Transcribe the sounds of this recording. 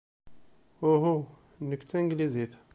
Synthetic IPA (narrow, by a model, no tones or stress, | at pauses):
uɦu | nəkːt͡s̪ːæŋɡliziθ